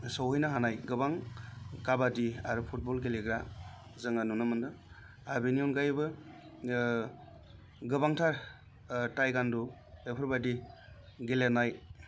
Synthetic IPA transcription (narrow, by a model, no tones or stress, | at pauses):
sɔwɦɯjnaɦanajɡɯbaŋkabadiaɾupʰut̚bɔlɡeleɡɾa | zɯŋanunɯmɯndɯ | abinijɔnɡajbɯ | ɡɯbaŋtʰaɾ | tajɡandu | epʰɯɾbadi | ɡelenaj